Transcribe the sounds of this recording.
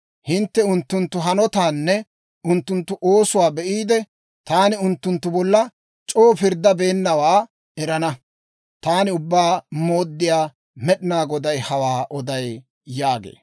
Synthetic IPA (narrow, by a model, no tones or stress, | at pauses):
hɪnt̪ːɛʊnt̪ːʊnt̪ːʊɦɐnɔt̪aːnːɛ | ʊnt̪ːʊnt̪ːʊʔoːsʊwaːbɛʔiːd̪ɛ | t̪aːnɪʊnt̪ːʊnt̪ːʊbɔlːɐ | t͡ʃʼoːfɪɾd̪ːɐbe̞ːnːɐwaː | ɛɾɐnɐ | t̪aːnɪʊbːaːmo̞ːd̪ːɪjaː | mɛɗɪnaːɡɔd̪ɐjhɐwaːʔɔd̪ɐj | jaːɡḛː